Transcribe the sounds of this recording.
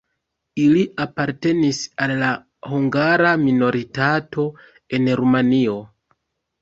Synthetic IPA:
iliʔapaɾte̞nisalːa | huŋɡaɾamino̞ɾitato̞ | e̞nɾumanio̞

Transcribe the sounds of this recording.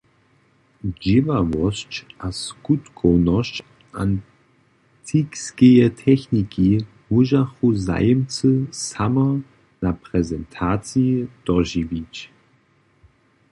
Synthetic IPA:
d͡ʑivavɔɕt͡ɕʔaskut̪kʰɔwnɔɕt͡ɕ | ʔan | tʰikskejɛtʰɛxniki | muʒaxuza̰jəmt͡səsamɐ | napʁɛzɛntʰaːt͡sjid̪̥ɔʒivit͡ɕ

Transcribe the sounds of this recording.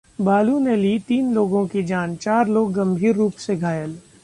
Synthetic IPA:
baːluneliːt̪iːnloːɡõkid͡ʒaːnt͡ʃaːɾloːɡːɐ̃mbʱiːɾːuːpseɡʱaːjəl

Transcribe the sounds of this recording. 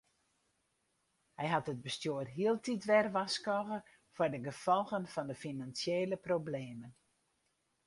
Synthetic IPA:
hɛjɦɑtəd̚bəstjoərɦiəlˠtʰitʋɛrʋaskɔɣə | fʊrdəɡəfɔlˠɣənfɔndəfinansjeːləprobleːmən

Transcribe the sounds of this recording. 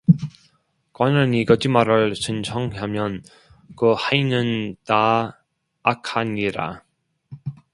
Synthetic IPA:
kwananikʌd͡ʑimaɾɯɭsɯnt͡ɕʰʌŋɦamjʌn | kɯhainɯntaː | kʰaɲiɾa̰

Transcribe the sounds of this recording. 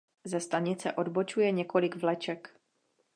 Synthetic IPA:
zɛst̪aɲɪt͡sɛʔo̞dbo̞t͡ʃujɛɲɛko̞lɪɡvlɛt͡ʃɛk

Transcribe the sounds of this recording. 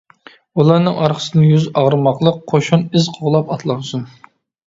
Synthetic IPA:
ulˠɑɾnɨŋʔɑɾqʰə̥sɨnɪjyzɑʁɾɨmɑqlˠəqʰːoʃunɪzqʰoʁlˠɑpɑt̪ʰlˠɑnsun

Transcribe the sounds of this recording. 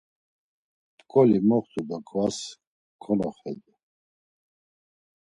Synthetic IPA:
t̪ʼkʼɔlimɔχt̪ʰʼud̪akʰvas | kʰɔnɔχɛd̪u

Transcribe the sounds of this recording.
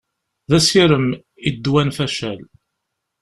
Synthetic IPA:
ðæsiɾəm | id̪ːwænfæʃæl

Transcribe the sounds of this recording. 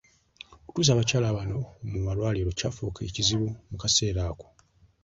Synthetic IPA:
oku̥tuːz̬aːβacaːlaβano̞mumalwaːliɾo̞caːfuːkʰeciziβumukase̞ːɾaːko̥

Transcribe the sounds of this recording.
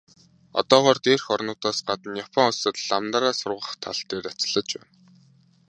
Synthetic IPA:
ɔ̰t̪ɔːʁɔːrt̪eːrxɔrnʊːt̪aːsɢat̪ə̆njapʰɔŋʊsə̆t̪ɮamt̪aɾaːsʊrʁə̆χt̪ʰaɮt̪eːrat͡s̆ɮə̆t͡ɕpæ̰ːn

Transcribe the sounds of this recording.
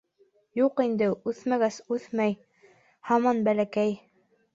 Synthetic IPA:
juqind̪ɘʉθmæɡæsʉθmæj | hɑmɑnbælækæj

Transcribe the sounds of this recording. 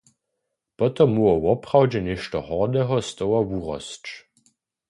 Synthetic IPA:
pɔt̪ɔmːuɔwɔpʁawd͡ʒɛnɪʃtɔhɔʁd̪ɛɦɔst̪ɔwawuʁɔ̰st͡ʃ

